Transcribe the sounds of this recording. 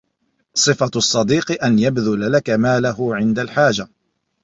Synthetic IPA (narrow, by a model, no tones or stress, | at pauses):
sˤɨfasˤːɑd̪iːqɨʔanjabðʊlalakamaːlaɦʊʕɪnd̪alħaːd͡ʒa